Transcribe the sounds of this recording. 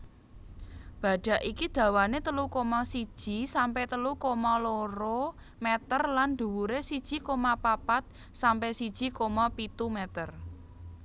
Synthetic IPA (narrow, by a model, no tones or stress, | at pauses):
b̥ä̤ɖ̥a̤ʔikid̪̥ä̤wanet̪əlukomɔsid̥ʒ̥i̤sampɛt̪əlukomɔloɾo | mɛt̪ərland̪̥ṳwuɾesid̥ʒ̥i̤komapapat̪̚ | sampɛsid̥ʒ̥i̤komɔpit̪umɛt̪ər